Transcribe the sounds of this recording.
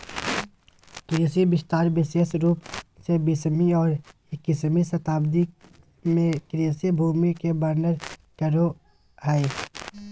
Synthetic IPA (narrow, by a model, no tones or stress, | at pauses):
t̪ʊjəsibɪst̪aːɾbɪseəsɾuːpsebɪsmiɔːɾ | ɪkɪsmisət̪aːbd̪i | mẽkɾiəsebʱuːmikebəɾnəɾkəɾo | hɛe